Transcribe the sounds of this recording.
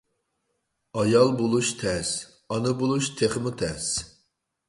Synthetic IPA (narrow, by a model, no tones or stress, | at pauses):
ɑjɑlˠbolˠuʃt̪ʰɛz̥ | ɑnɨbolˠuʃt̪ʰeχmɨt̪ʰɛz̥